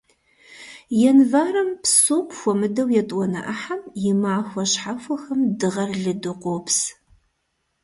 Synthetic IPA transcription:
jɛnvaːɾɐmpsuːkʷʼxʷɔmɨdɐwjɛtʼwʷɔnɐ̰ʔɐħamjɪmaːxʷɔɕħafʷɔxɐmdɨʁɐrɮɨdɨqʷʼops

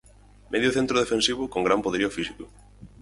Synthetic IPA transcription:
mʔeðjoθẽnt̪ɾoðefẽnsiβ̞ʊkoŋɡɾampoðeɾiofisikʊ

